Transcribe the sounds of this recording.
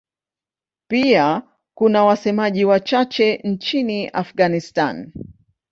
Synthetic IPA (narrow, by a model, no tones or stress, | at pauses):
pia | kunawasɛmaʄiwat͡ʃat͡ʃɛnt͡ʃiniʔafɡanista̰n